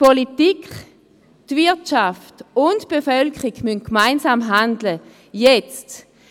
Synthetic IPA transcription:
politikχ | tvɪɐtʃaftʊntb̥efœlkχiɡmynkmaɪnsaːmɦandlə | jɛt͡st

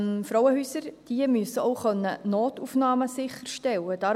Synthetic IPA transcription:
mfɾɔwəhyːsəɾd̥iəmyəsəɔʊχœnːənoːtufnɑːməsɪχəɾʃtɛlːəd̥ɑːɾ

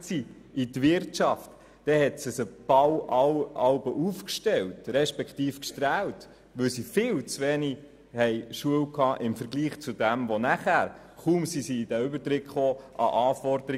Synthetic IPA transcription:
si | itʋɪɾtt͡ʃɑft | d̥ɛhɛtsɪsəb̥ɑwɑwɑlbəʔufkʃtɛwtɾɛʃpɛkχtiːfkʃtɾæːwt | ʋɵwsifɪːwt͡sʋeni | hɛjʃuəwkʰɑːʔɪmfəɾɡliːχt͡sudæmʋonæχæːɾ | χumsisiːd̥æʏbəɾtɾɪkχoːʔɑ̰ʔɑːfɔɾd̪əɾi

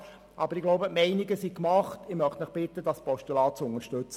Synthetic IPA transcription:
ʔɑb̥əɾɪɡloʊbəmɛɪnɪɡəsikmɑχtɪmœχt̪məχb̥ɪtːəd̥ɑspɔʃtulɑːt͡sʊŋəɾʃtʉt͡sə

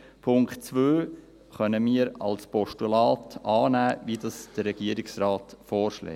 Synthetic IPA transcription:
pʰʊŋktt͡sʋøː | χœnəmiːəɾɑ̰lspɔʃtulɑːtɑːnæːʋidɑsd̥əɾɛɡ̥iəɾɪksɾɑːtfɔːɾʃlɛ̰

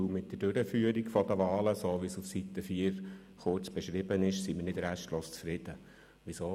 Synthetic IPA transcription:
mɪt̚d̥̪əd̥øɾəfyːəɾikfɔd̪əʋɑːləsoːʋisufsit̪ːəfiːəɾ | χʊɾt͡sb̥ɛʃɾɪbənɪʃsimɪɾnɪd̪ɾæʃtloːst͡sfɾɪd̪̥ə | ʋisoː

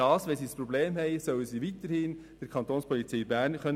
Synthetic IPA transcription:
ɑːsʋɛnsiːspɾobleːmhɛɪsœwəsiːvit̪əɾhɪn | d̥əɾkʰɑnt̪oːnspʰɔlit͡sɛɪbæːɾnkœn

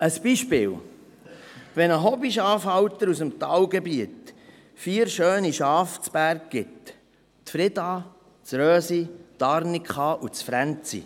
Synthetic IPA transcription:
əsb̥iʃpɪ̰ːw | vɛnəɦɔbiʃɑːfhɑwt̪əɾusəmt̪ɑːwɡɛbiət̪ | fiːəɾʃøːniʃɑːft͡spæɾk̚ɡ̥ɪt̪ː | fɾɪdɑː | t͡sɾœːsit̪ɑɾnikχɑːʔut͡sfɾænt͡sḭ

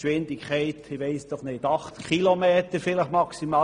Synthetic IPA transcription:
ʃʋɪnd̥ɪkχɛɪtɪʋɛɪsd̥ɔχnɪdɑχtkʰχilomeːt̪əɾfɪləχmɑksimɑː

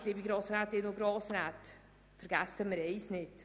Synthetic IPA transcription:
liːbiɡɾɑːsɾatɪnoɡɾoːsɾat | fəɾɡ̥asəməɾejsnɪt

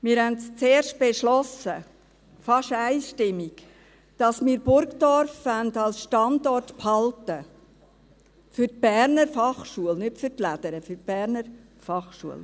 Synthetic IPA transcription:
mɪːɾhændst͡seːɾʃt̚b̥eʃlɔsə | fɑʃæɪʃtɪmːiɡ | d̥ɑsmɪːɾbʊɾkdɔɾfændɑlsʃtɑndɔrtphɑltə | fʏɾt̚b̥æɾnəɾfɑχʃuəlnʏtfʏtlæd̥̪əɾəfyt̚b̥æɾnəɾ | fɑχʃuəl

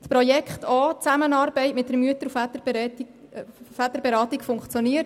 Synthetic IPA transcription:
spɾɔjɛkʰχt̪ʰɔt͡sæmənɑːɾbɛɪtmɪt̚d̥ərmyətəɾufæt̪əb | fæt̪əɾbɛɾɑːtikfʊŋkχt͡sjoniət

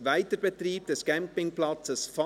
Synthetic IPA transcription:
væɪtəɾb̥ɛtriːb̚d̥ɛskæmpɪŋplɑt͡səsfɑ

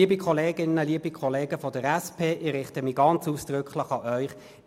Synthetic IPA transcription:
iːəbikʰɔleːɡɪnːəliːəbikʰχɔleːɡəfɔd̥əɾɛspʰeːʔɪɾɪχtəmiɡɑnt͡suːsd̥ʁʏkχlɪχɑʔœʏχ

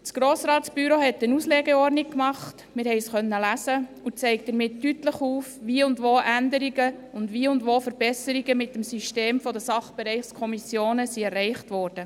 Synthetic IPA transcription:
t͡sɡ̥ɾoːsɾɑːtsb̥yɾohɛtːənusleːɡɛɔɾnikkmɑχt | mɪɾhɛɪsχœnːəlæsə | ut͡sɛɪkd̥̪əɾmɪtːytləχuːfʋiːʊndʋoːʔændəɾiɡəʊndʋiːʊndʋoːfəɾbɛsəɾiɡəmɪtːəmsyʃteːmfɔdəsɑχb̥ɛɾɛɪχskʰɔmisjoːnəsiɛrːɛɪχtʋɔːɾd̥ə

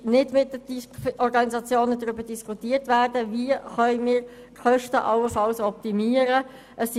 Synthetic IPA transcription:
nɪdmɪt̚ːədiɔɾɡɑniszɑt͡sjoːnədʁʏbəd̥iskʰutiːəɾtʋæːɾdəviəχœʏmiːɾ | χœʃtəʔɑwəfɑlsɔp̚timiːəɾə | ʔəsː

